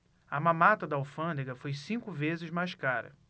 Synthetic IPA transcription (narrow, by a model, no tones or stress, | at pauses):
ɐmãmat̪ɐd̪ɐawfɐ̃nd̪eɡɐfojsĩkʊvezɪzmajʃkaɾɐ̰